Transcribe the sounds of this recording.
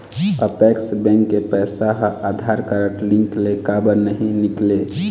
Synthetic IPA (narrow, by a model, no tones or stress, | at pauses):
ə̰pɛksbɛ̃ŋkːepɛsaɦʔad̪ʱaɾkəɾəʈlĩŋklekabəɾnəɦĩnikle